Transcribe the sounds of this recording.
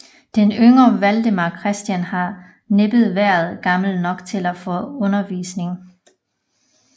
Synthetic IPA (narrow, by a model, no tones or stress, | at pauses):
d̥enøŋɐʋæld̥əmɑ̈kʰʁɛsd̥jænhɑ̈ | neb̥ð̞̩ˠʋæɐ̰ð̩ˠɡ̥ɑ̈ml̩nɒ̽ɡ̥t͡sʰe̝læfɔ̽ɔ̽nɐʋḭːsne̝ŋ